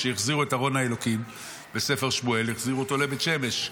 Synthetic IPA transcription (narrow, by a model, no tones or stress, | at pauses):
ʃejeχziʁuetaʁo̞nhae̞lo̞kim | be̞se̞fe̞ʁʃmueleχziʁuotolevet̪ʃe̞me̞ʃ